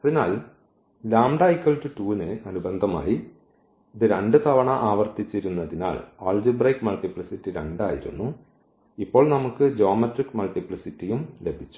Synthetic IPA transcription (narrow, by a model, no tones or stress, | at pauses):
ɐðinaːl | laːmɖaːjkːɐɭdɨtuːnɨɐnubend̪ʱɐma̰ːji | iðɨɾeɳɖɨt̪ʰɐʋɐɳɐʔaːʋɐrt̪it͡ɕːiɾunːɐðina̰ːɭaːɭd͡ʑubrɐjkːmɐɭʈipɭisitːiɾḛɳɖaːjḭɾṵnːu | ipːo̞ːɭnɐmukːɨd͡ʑo̞ːmɐʈrikːmɐlʈipɭisitːijumle̞bʱit͡ɕːu̥